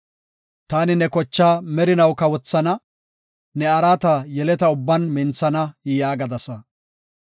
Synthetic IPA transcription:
t̪aːnɪnɛkɔt͡ʃːaːmɛɾɪnɐwkɐwɔt͡sːɐnɐ | nɛɐɾaːt̪ɐjɛlɛt̪ɐʊbːɐnmɪnt͡sːɐnɐjɪjaːɡɐd̪ɐsɐ

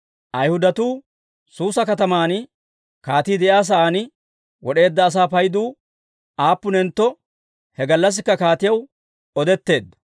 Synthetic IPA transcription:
ʔɐjhʊd̪ɐt̪uː | suːsɐkɐt̪ɐmaːn | kaːt̪iːd̪ɛjaːs̬ɐʔaːnɪ | wɔɗe̞ːd̪ːɐːs̬aːpɐjd̪uː | ʔaːpːʊnɛnt̪ːɔ | hɛɡɐlːɐs̬ɪkːɐkaːt̪ɪjɐw | ɔd̪ɛt̪ːe̞ːd̪ːɐ

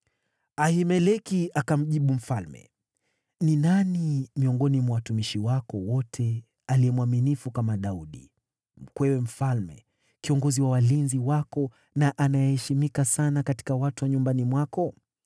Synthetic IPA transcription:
ahimɛlɛkiakam̩ʄiɓum̩falmɛ̰ | ninanimiɔŋɡɔnimwawatumiʃiwakɔwɔtʰɛ | aliɛmwaminifukamaɗauɗḭ | m̩kwɛwɛm̩falmɛ̰ | kiɔŋɡɔziwawalinziwakɔ | naʔanajɛhɛʃimikasanakati̥kawatuwaɲumbanimwakɔ

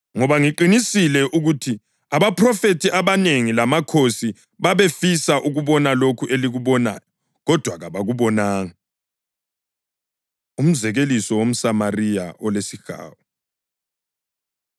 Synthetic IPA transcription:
ŋɔβaŋiǃinisilɛʔuɣutʰi | aβapʰrɔfetʰiʔaβaneŋilamakʰosi | βaβefisaʔuɣuβɔnalokʰuʔeliɣuβɔna̰ːjɔ | ɣɔd̥ʱwaɣaβaɣuβɔnaːŋa | um̩zɛɣelisɔwom̩samarija̰ʔɔlesiɣa̰ːwɔ

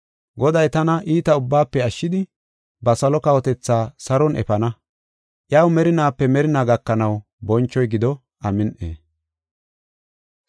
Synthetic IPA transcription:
ɡɔd̪ɐjt̪ɐnɐʔiːt̪ɐʊbːaːpːɛɐʃːɪd̪ɪ | bɐsɐlɔkɐwɔt̪ɛt͡sːaːsɐɾɔnʔɛ̰fɐnɐ | ʔjɐwmɛɾɪnaːpːɛmɛɾɪnaːɡɐkːɐnɐw | bɔnt͡ʃːɔjɡɪd̪ɔ | ʔɐmɪnʔḛː

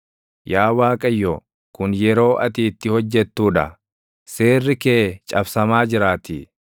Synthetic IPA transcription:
jaːwaːkʼɐjːɔ | kʊnjɛɾo̞ːʔɐt̪iːt̪ːɪhɔd͡ʒːɛt̪ːuːᶑɐ̰ | se̞ːrːɪkeːt͡ʃʼɐbsɐmaːd͡ʒɪɾaːt̪i

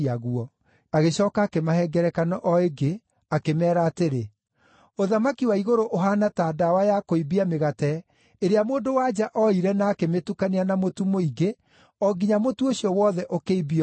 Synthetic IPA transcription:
aɣuɔ | aɣeɕɔːkaːkemahɛɡɛɾɛkanɔʔɔeɡe | akemɛːɾaːteɾe | oðamakiwaiɣoɾoʔoɦanataːdawajakoibiameɣatɛ | eɾeamoːndowad͡ʒaʔɔiɾɛnaːkemetukaneanamotumoiɡe | ɔɡiɲamotuoɕijɔwɔːðɛʔokeibiɔ

